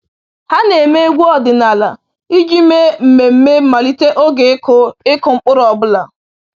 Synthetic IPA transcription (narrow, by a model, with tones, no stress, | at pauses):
ha˦ne˨me˦e˦ɡʷu˦ɔ˦dɪ˨na˨la˨ | i˦d͡ʒi˦me˦m̩˨me˨m̩˦me˦ma˨li˦te˦ʔo˦ɡe˨˦kʊ˦ɪ˦kʊ˨ŋ͡m̩˦˨k͡pʊ˦ɾɔ˨bʊ˦la˨